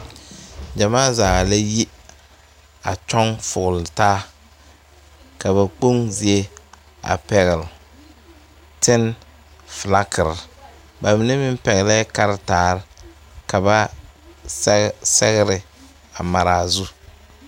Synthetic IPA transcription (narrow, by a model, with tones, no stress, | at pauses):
d͡ʒa˨maː˦zaː˨la˦ji˦ | a˨t͡ʃɔ˦ŋfʊ˨ɣʊ˨lɪ˨taː˦ | ka˨βa˨k͡po˦ŋzi˨e˦ | a̰˨pɛ˨ɣɪ˨l | tɪ˦n | fla˦kʰɪ˨ɾɪ˨ | ba˨mɪ˦nɛ˦mɪ˦m˦pɛ˨ɣɪ˨lɛ˦ka˦ɾɪ˦taː˨ɾɪ˦ | ka˨ba˦ | sɛ˦ɣɪ˦ɾɪ˨ | a˨ma˨ɾaː˨zu˦